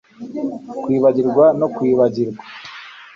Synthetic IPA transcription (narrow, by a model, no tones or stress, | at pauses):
kwiːβaɟiɾɡwano̞kwiːβaɟiɾɡwḁ